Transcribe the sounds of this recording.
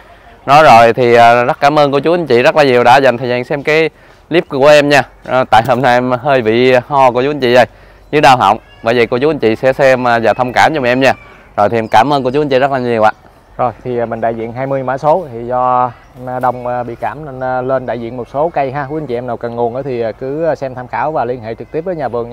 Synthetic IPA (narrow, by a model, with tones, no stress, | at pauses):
nɔ˨˦zo˨˩jt̪ʰi˨˩əː˨˩zə˦˥t̚kaː˧˩˦mʔəː˧nku˧˩ət͡ɕu˨˦ʔa˨˦ɲt͡ɕḭ˧˨zə˦˥t̚laː˨˩ɲi˨˩əwɗa̰ː˧˥za˨˩jŋt̪ʰə˨˩zaː˨˩ŋsɛ˧mkaː˨˦j | li˦˥p̚ku˧˩əʔɛ˧mɲaː˧˨˩ | t̪a̰ː˧˨jɦo˧mna˧ʔmɦəː˧jvḭ˧˨hɔ˧ku˧˩ət͡ɕu˨˦˧ɲ̟t͡ɕḭ˧˨ɗə˧˩j | ɲɨ˨˦ɗaː˧wɦə̰˧˨wŋ͡m | ɓəː˧˩jvḭ˨˩ku˧˩ət͡ɕu˨˦a˧˦nt͡ɕḭ˧˨sɛ̰˧˥sɛ˧mː˨˩zaː˨˩t̪ʰə˧wŋ͡mkaː˧˩mt͡ɕɔ˧ma˨nʔɛ˧mɲaː˧ | zo̰˨˩jt̪ʰi˨ɛ˧mkaː˧˩mʔəː˧kət͡ɕu˦˧˦n̟t͡ɕḭ˧˨˩zə˦˥t̚laː˨˩ɲi˨˩əwʔa̰ː˧˨ | zo˨˩jt̪ʰi˨˩˨mï˨˩ŋ̟ɗa̰ː˧˨jzḭ˧˨ənɦaː˧jmɨ˧əɲ˧˦maː˧˦so˨˦t̪ʰi˨˩zɔ˧ | mː˧ɗə˧˩wŋ͡mɓḭ˧˨kaː˧˩mnə˧nː˧le˧nɗa̰ː˧˨jzḭ˧ənmo˨˩t̚so˨˦kə˧jɦaː˧ku˧˦a˨nɲt͡ɕḭ˧˨ɛ˧naː˨˩wkə˨˩nŋu˨˩ənʔəː˧˦t̪ʰi˨˩˨kɨ˨˦˧sɛ˧mt̪ʰaː˧mxaː˧˩˦wvaː˨˩li˧ənɦḛ˧˨t͡ɕɨ˨˩k̚t̪i˦˥p̚vəː˨˦ɲaː˨˩vɨ˨˩əŋ˧